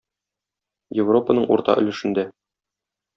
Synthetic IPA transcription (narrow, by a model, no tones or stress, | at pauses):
jevro̞pənɤɴṵɾt̪ɑ̰ʔɵ̆lɘ̆ʃɘ̆nd̪æ